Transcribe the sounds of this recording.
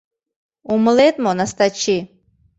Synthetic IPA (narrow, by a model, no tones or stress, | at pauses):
umlet̪monast̪at͡ʃʰi